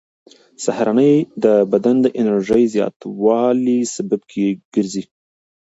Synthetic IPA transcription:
sahɾanəjd̪əbad̪and̪əʔɪnaɾʒəjzjɑ̰t̪wɑlisababkʰeɡ̥əɾzi

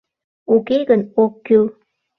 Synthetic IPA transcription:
ukeɡənokːyl

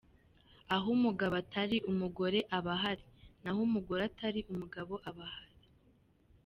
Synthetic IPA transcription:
aɦumuɡaβatʰaɾiʔumuɡo̞ɾe̞ʔaβaɦaɾinahumuɡo̞ɾataɾiʔumuɡaβo̞ʔaβahaɾi

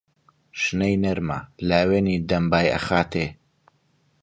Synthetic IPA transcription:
ʃnejnɐɾma̰laːweːnid̪ɐmbaːjɐ̰xaːt̪ʰe

